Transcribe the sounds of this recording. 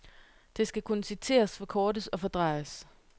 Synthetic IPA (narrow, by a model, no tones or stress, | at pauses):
d̥e̝sɡ̥ækʰunəsit͡sʰe̝̰ːɐsfɒ̽kʰɒːd̥əsɒ̽fɒ̽d̥ʁɑ̈ɪəs